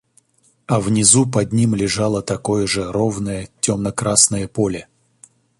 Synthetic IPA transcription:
ɐvnʲɪzupɐdʲnʲimlʲɪʐalˠət̪ɐko̞jəʐəɾovnəjətʲomnəkɾasnəjəpolʲɪ

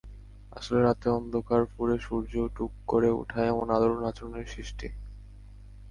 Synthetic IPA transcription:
a̰ʃoleɾat̪eɔnd̪ʱokaɾfuɾeʃuɾd͡ʑoʈukːoɾeṵʈʰaeemonad̪oɾoɾat͡ɕoɾoneɾʃɾiʃʈi

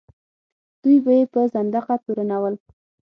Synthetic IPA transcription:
d̪̥ujbajepəzand̪aqap̪uɾanawəl

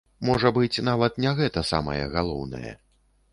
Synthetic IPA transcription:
mɔʐɐbɨt͡sʲn̪avɐt̪nʲɛɣɛt̪ɐsa̰mɐ̰jɛ̰ɣalˠɔ̰wnɐ̰jɛ̰

